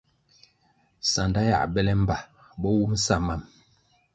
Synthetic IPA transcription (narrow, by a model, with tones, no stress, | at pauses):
sa˨nda˦ja̰˦˨bɛ˦lɛ˦m̩˦ba˨ | bɔ˦wu˦m̩˦sa˦˨ma˨m